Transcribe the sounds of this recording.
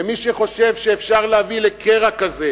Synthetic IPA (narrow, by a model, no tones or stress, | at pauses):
emiʃeχo̞ʃe̞vʃeːfʃaʁleavilekʰeʁakaze